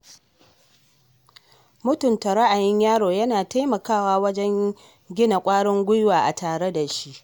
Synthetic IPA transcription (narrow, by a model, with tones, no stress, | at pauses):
mʊ˦tʊ˨nta˨ɾa˦ʔa˨jɪ˦ɲjaː˦ɽoː˨jɐ˦naː˨ta˦jmɐ˨kaː˦˨waː˦wɐ˦d͡ʒɛ˦ŋ | ɡʲɪ˦na˨kʷʼaː˦ɽɪ˦ŋɡʷʊ˦jwaː˨ʔa˨taː˨ɽe˦da˨ʃi˦ʔ